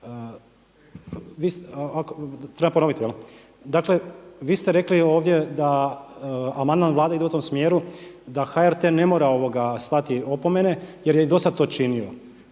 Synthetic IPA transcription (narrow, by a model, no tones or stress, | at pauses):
ʋiːsakot̪ɾe̞bampono̞ʋit̪ijel | d̪akle̞ʋiːst̪eɾe̞klio̞ːʋd̪je̞d̪a | amand̪manʋlaːd̪aid̪eut̪o̞msmje̞ːɾu | d̪axaeɾt̪ene̞mo̞ːɾao̞ʋo̞ɡast̪at̪io̞pomenejeɾjeid̪o̞sad̪̚t̪ot͡ʃinio̞